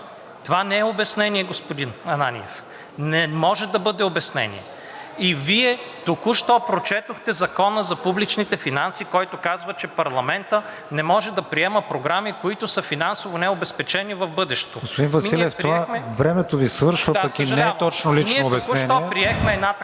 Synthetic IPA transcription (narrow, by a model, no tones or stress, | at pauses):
t̪ovanɛɛobɛsnɛniɛɡospod̪inɐnanḭɛf | nɛmɔʒɛd̪ɐbɤd̪ɛobɛsnɛ̰nḭɛ | iviɛt̪okuʃt̪ɔpɾot͡ʃɛt̪oxt̪ɛzɐkɔnəzɐpublit͡ʃnit̪ɛfinansikɔjt̪ʊkazvət͡ʃɛpɐɾlˠɐmɛnt̪ə | nɛmɔʒɛd̪ɐpɾiɛməpɾoɡɾamikoit̪ʊsəfinansovonɛobɛspɛt͡ʃɛnivɐvbɤd̪ɛʃt̪oɡospʊd̪invɐsmiliɛfɾoivaxmɛvɾɛmɛt̪ovisvɤɾʃvəd̪pɐkinɛɛt̪ɔt͡ʃnolint͡ʃɛːbɛsuʃɛnt̪iɔɛpɾiɛxmɛɛd̪na